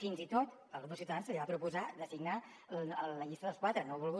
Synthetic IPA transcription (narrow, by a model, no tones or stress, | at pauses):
finzit̪ot̪ | əlˠɣoβəsiuwt̪əðansəliβapɾupuzad̪əsiɡna | ələʎist̪əðəlˠskwat̪ɾənoβulˠɣu